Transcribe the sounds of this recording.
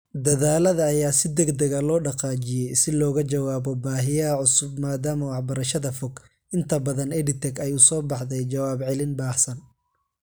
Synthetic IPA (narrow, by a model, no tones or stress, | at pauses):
d̪ɐðaːlɐðɐːjaːsɪd̪ɐɡd̪ɐɣɐlɔːɖɑqɑːt͡ʃɪjɛjsɪlɔːɣɐt͡ʃɐwaːbɔbaːɦɪjɐʕʊsʊb̚maːd̪aːmɐwɑħbɐɾɐʃɐðɐfɔɡ | ʔɪnt̪ʰɐbɐðɐnɛɖɪt̪ʰɛɡɐjʊsɔːbɑħd̪ɛjt͡ʃɐwaːbʕɪlɪnbaːħsɐn